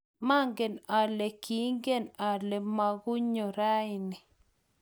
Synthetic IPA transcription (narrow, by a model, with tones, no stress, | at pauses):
ma˦ŋɡe˨na˨le˨ki˨˦ŋɡe˦˨na˨ɾlɛ˨ma˨ɡu˦ɲo˨ɾa˦ɪ˨nɪ˨